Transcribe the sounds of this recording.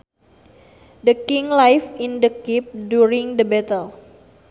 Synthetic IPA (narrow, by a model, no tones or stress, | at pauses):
dəkiŋlajfĩndəkip̚djuɾiŋdəbɛt̪əl